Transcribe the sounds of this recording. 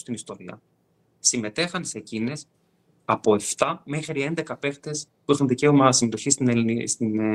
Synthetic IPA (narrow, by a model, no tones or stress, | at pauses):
st̪inist̪o̞ɾiɐ̰ | sime̞t̪e̞xɐnsecine̞s | ɐpo̞e̞ft̪ɐme̞xɾie̞nd̪e̞kɐpe̞xt̪e̞spuixunðice̞omɐsime̞t̪o̞çist̪nenst̪in